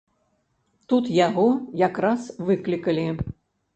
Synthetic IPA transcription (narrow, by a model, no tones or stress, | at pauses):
t̪ut̪jaɣɔjakɾasvɨklʲikɐlʲi